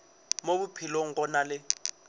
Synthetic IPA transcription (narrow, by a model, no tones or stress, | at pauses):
mobupʰiloŋ̩kɔnalɪ